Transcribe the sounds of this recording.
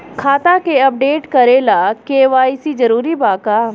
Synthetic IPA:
kʰaːt̪akeɐp̚ɖeːʈkɐɾelakeːʋaːisid͡ʒɐɾuːɾibaːkaː

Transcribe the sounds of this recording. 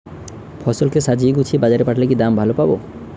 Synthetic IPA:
pʰɔsolkesad͡ʑieɡut͡ɕʰibad͡ʑaɾepaʈʰlekid̪ambʱalopabo̰

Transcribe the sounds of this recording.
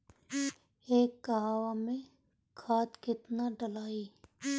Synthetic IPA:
eːkːɐɦaːwamẽ | kʰaːt̪kɪt̪naɖəlaːiː

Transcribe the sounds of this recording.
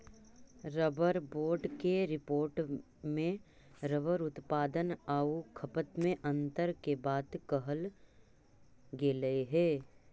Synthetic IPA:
ɾəbəɾboːɾɖkeɾɪpoːɾʈ | mẽ | ɾəʋəɾʊt̪paːd̪ənaːukʰɐpət̪mẽʔɐ̃nt̪əɾkebaːd̪kɐɦəl | ɡeːləeɦɛː

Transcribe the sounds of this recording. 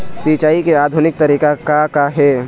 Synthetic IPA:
siːt͡ʃaːikeaːd̪ʱʊnɪk̚t̪ɐɾiːkakakaɦɛː

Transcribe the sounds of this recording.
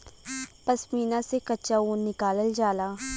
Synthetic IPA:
pɐsmiːnasekɐtːʃauːnːɪkaːləld͡ʒaːlaː

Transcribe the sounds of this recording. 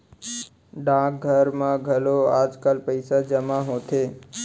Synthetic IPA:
ɖãːk̚ɡʱəɾmãɡʱəloaːd͡ʒkəlpəɪsad͡ʒəmaɦot̪ʰeː

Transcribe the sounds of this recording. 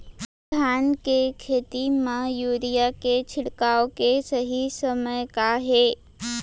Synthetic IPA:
t̪ʰaːnkekʰeːt̪imajuːɾijaket͡ʃʰɪɽkaːokesəɦisəməjkaɦeː

